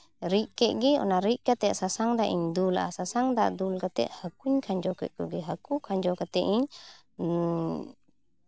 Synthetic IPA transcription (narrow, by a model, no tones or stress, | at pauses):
ɾiʔkɛʔ̚ɡɛɔ̰naɾiʔkat̪ɛʔsasaŋd̪aʔiɲd̪ulʔa̰sasaŋd̪aʔd̪ulkat̪ɛ̰ʔ̪̚həkuɲkʰaɲd͡ʒɔkɛ̰t̪̚kɔɡɛɦəkukʰaɲd͡ʒɔkat̪ɛʔiɲ